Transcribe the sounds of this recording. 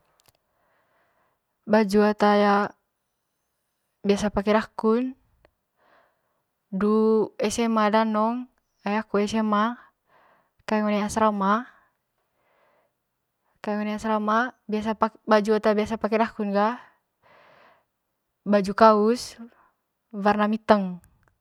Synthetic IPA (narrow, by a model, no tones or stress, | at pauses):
bad͡ʒuat̪aja | biasapakɛɾakun | duɛsɛmadanɔŋ | ajakuɛsɛma | kajɛŋɔnɛasɾama | kajŋɔnɛasɾamabiasapabad͡ʒuat̪abiasapakɛɾakunɡa | bad͡ʒukaus | varnamit̪əŋ